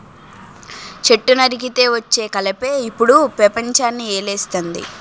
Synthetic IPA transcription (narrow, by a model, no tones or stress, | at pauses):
t͡ʃe̞ʈːunɐɾiɡit̪e̞ːʋɐt͡ʃːe̞ːkɐlɐpe̞ːipːuɽupɾɐpɐɲt͡ʃaːnːieːleːst̪ond̪ḭ